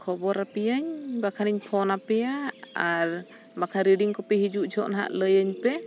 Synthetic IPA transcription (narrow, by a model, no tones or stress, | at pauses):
kʰɔbɔɾapijəɲbakʰaniɲpʰɔnapɛjaaɾ | makʰaɾiɖiŋkɔpɛɦid͡ʒuʔd͡ʒʰʱɔʔnaɦa̰ʔləjəɲpɛ